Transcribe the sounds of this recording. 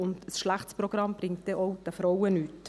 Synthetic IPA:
ʊndsʃlæχtspɾɔɡ̥ɾɑmb̥ɾɪŋt̚d̥ɛʔɔʊd̥æfɾɔwənyːt

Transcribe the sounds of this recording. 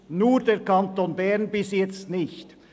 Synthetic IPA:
nuːɾdɛːɾkʰɑnt̪oːnbɛʁnbɪsjɛt͡stnɪçt

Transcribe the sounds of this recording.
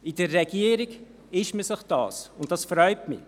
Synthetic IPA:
ɪdərːɛɡiəɾiɡ | ɪʃməsɪχd̥ɑ̰ːsʊnt̚d̥ɑsfɾœʏtmɪ̰

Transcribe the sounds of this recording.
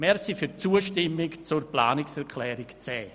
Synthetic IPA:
mɛɾsifyɾt͡suəʃtɪmːɪkt͡sʊrplaːnɪksɛɾkʰlɛːɾɪkt͡sɛː

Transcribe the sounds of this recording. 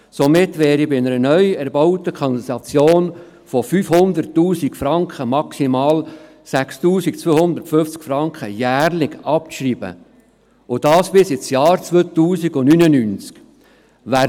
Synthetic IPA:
somɪtʋɛːɾibɪnəɾənœʏɛɾbɑʊtəkʰɔnsɑt͡sjoːn | fɔfyːfhʊnd̪əɾtːuːsikfɾɑŋkχəmɑksimɑːl | sækstuːsikt͡sʋøhʊnd̪əɾtføft͡skfɾɑŋkχəjæːɾlɪɡɑpʃriːbə̰ | ʊd̥ɑːsb̥ɪsɪt͡sjɑːɾt͡sʋøːt̪uːsiɡʊnynənyːnt͡sk | ʋæ

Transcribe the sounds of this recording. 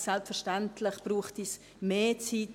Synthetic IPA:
sɛlpsfɛɾʃtɛntʰlɪχb̥ruːχtis | meːt͡sit

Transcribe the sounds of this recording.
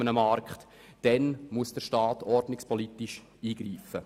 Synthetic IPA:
ənəmɑɾkχt | d̥ɛnmuəsd̥əɾʃtɑːtɔrdnɪkspʰɔlit̪iʃ | iːɡ̥ɾiːfə

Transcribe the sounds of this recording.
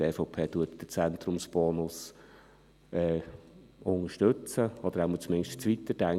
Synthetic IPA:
eːfoʊpʰeːtuətd̥ət͡sɛnt̪ɾʊmsb̥ɔːnʊs | ɛː | ʊŋəʃtɵt͡səɔd̥̪əɾæːmut͡smɪnʃtt͡sʋit̪ːədæŋ

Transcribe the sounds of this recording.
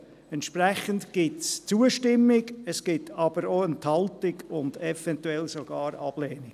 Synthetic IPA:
ɛntʃprɛχəntɡ̥ɪtst͡suəʃtɪmːɪɡəsɡ̥ɪtʰɑb̥əɾoːənthɑltɪɡʊndɛfɛntuɛlsoɡ̥ɑːɾɑb̥leːnɪ̥

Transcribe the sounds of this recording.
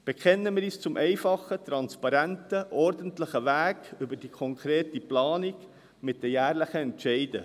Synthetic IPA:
b̥ɛkʰɛnːəmɪːɾiːst͡sʊmʔɛɪfɑχət̪ɾɑnspɑɾæntəʔɔɾdəntləχəʋæːɡʏbəɾd̥ikʰɔŋkʰɾeːtiplɑːniɡ | mɪt̚d̥ɛjæːɾləχəɛntʃɛɪdə̰

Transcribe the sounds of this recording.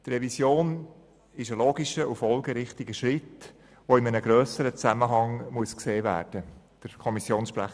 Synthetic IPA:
t̪rɛvisjoːn | ɪʃəloːɡiʃəʔufɔlˠɡəɾɪχt̪iɡəʃɾɪt | ʋoɪmənəɡɾœːsəɾət͡sæməɦɑŋmuəskseːvæ̰ːɾd̥ə | d̥əɾkʰɔmisjoːnsʃpɾæ̰χ

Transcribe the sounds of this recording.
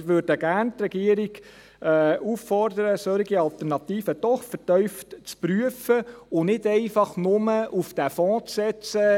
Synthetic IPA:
ʋøɾd̥əɡ̥æːɾnt̪rɛɡ̥iəɾiɡ | ɛːʔuːfːɔrd̪əɾəsøɾiɡiɑlt̪ɛɾnɑt̪iːfəd̥ɔχfətœʏftt͡spɾyəfəʊnɪdɛɪfɑχnʊməufd̥æfɔ̃ːt͡ssɛt͡sə

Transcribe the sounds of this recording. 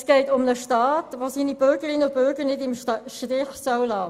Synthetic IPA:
sɡ̥ɛɪtʊmnəʃtɑːtʋoːsiːnib̥ʏɾɡəɾɪnəʊb̥ʏɾɡəɾnɪdɪmʃʃtɪχsœwlɑː

